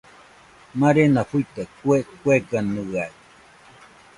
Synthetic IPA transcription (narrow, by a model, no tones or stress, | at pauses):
maɾenaɸuit̪ekuekweɡanuaj